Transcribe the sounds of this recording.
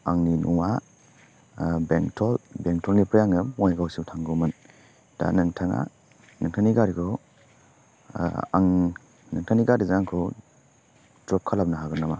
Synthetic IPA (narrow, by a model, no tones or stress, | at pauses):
aŋninʔuwa | beŋtʰɔlbeŋtʰɔlɡipɾijaŋɯmɔjɡawsiwtʰaŋɡumɯn | d̥a̰nɯŋtʰaŋa̰ | nɯŋtʰaniɡaɾikʰɔ | a̰ŋ | nɯŋtʰaniɡaɾizaŋkʰɔ | dɾɔp̚kʰalap̚naɦaɡɯnama